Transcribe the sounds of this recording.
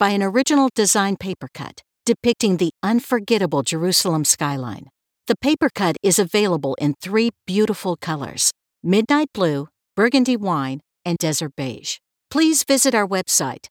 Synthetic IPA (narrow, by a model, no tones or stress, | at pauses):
b̥aɪɨ̃nə˞ɪd͡ʒɨnl̩ˠdɨzãɪ̃npʰeɪpə˞kʰʌ̰t | d̥ɨpɪk̚tɪ̃ŋðiʌ̃nfə˞ɡɛɾəbl̩ˠd͡ʒə˞ʉsl̩ˠə̃mskaɪlã̰ɪ̃n | ðɨpʰeɪpə˞kʰʌɾɪzɨveɪlˠəbl̩ˠʔɪ̃nθɹib̥jʉɾəfl̩ˠkʰʌlˠə̰˞z̥ | mɪdⁿnaɪt̚b̥lʉ | b̥ɜ˞ɡɨ̃ndiwãɪ̃n | ɨ̃ndɛzə˞t̚b̥eɪʒ̥ | pʰl̥izvɪzɨɾaʊə˞wɛb̥saɪt̚